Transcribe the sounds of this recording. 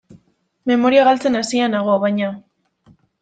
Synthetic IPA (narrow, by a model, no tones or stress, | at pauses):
me̞mo̞ɾiaɣalt͡se̞nasianaɣ̞o̞βajɲa